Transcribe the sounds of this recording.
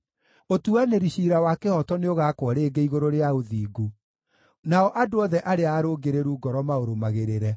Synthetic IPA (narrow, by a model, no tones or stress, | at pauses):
otuaneɾiɕiɾawakehɔtɔneoɣaːkwɔɾeːɡeiɣoɾoɾeaoðiːɡu | naɔʔadoɔðɛʔaɾeaːɾoːɡeɾeɾuːɡɔɾɔmaoɾomaɣeɾeɾɛ